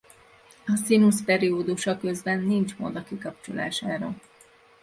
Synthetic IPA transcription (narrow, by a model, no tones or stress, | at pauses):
ɒsinuspɛɾioːd̪uʃɒkø̞zbɛnːint͡ʃmo̰d̪ɒkikɒp̚t͡ʃola̰ːʃaːɾo